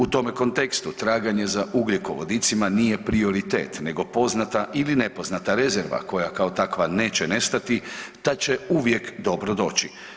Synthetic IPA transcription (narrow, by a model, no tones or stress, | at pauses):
ut̪o̞me̞ko̞nt̪e̞kst̪ut̪ɾaːɡaɲe̞zaʔuɡlʲikoʋo̞̰d̪it̪simanije̞pɾio̞ɾit̪ḛːt̪ne̞ɡo̞po̞znat̪aʔiline̞po̞znat̪aɾe̞zeɾʋa̰ko̞jakao̞t̪akʋane̞ːt͡ɕene̞st̪at̪it̪at͡ɕe̞uʋje̞kd̪o̞bɾo̞d̪o̞ːt͡ɕi